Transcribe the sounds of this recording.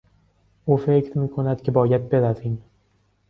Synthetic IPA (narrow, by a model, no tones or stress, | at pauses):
ʊfekʲt̪mɪkʰonad̪kʲʰɪbɒjat̪̚be̞ɾasɪŋ